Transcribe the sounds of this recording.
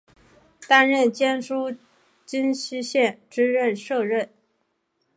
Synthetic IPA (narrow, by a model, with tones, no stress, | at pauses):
t̪a˥nɻə˥˩nt͡ɕjɛ˥nʂu˥ | t͡ɕi˥nɕi˥ɕjɛ˥˩nʈ͡ʂɻ̩˥ɻə˥˧nʂɤ˥˧ɻə˥˩n